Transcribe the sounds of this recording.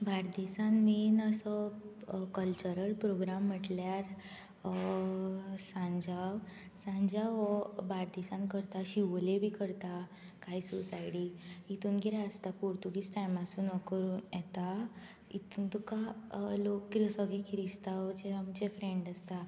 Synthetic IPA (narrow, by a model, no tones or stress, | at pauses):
bʱaɾd̪isãnminəsə | kəlt͡ɕəɾəlpɾoɡɾamːəʈljaɾ | sãɲd͡ʑaʋ | sãɲd͡ʑaʋbʱaɾd̪isãnkəɾt̪aɕiʋlebʱikəɾt̪a | kaisusajɽiit̪uːnɡiɾaəst̪apuɾt̪uɡiːt͡sʈajmasuːnɔkəɾuːnjɛt̪a | it̪unt̪ukalokːɾəsəɡekiɾist̪aʋd͡ʑeamd͡ʑefɾeɳɖəst̪a